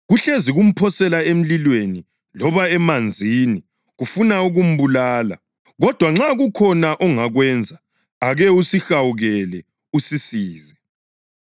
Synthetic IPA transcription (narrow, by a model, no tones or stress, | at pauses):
ɣuɬeziɣum̩pʰɔsɛlaem̩lilweni | lɔβaɛmand͡zʱini | ɣufunauɣum̩βulaːla̰ | ɣɔd̥ʱwaŋ͡ǁaɣukʰɔnaʔɔŋaɣwɛnd͡zʱa | aɣɛusixawuɣɛlɛ | usisiːzɛ